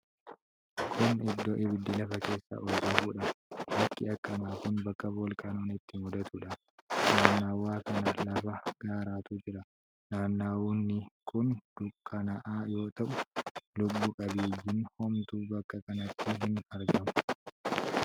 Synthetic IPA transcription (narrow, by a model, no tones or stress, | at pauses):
kʰʊnɪd̪ːoːʔɪbɪd̪ːɪlɐfɐke̞ːsːa̰ːʔɔd͡ʒːɪnfuːᶑɐɾɐkːɪɐkːɐnaːkʊnbɐkːɐbolkʼaːnoːnɪt̪ːɪmʊd̪ɐt̪uːᶑɐ | naːnːaːwːaːkɐnɐlɐfɐɡ̥aːɾaːt̪uːd͡ʒɪɾɐ | naːnːaːwuːnːɪkʊnd̪̥ʊkʰʼːɐnɐʔaːjo̞ːt̪ɐʔʊlʊbːʊkʼɐbiːjːɪnhɔmt̪uːbɐkːɐkɐnɐt̪ːɪɦɪnɐɾɡɐmʊ̥